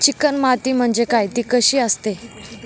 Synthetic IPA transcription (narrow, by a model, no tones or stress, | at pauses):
t͡ɕikənmat̪iːm̤əɳd͡zekajt̪iːkəɕiːəst̪e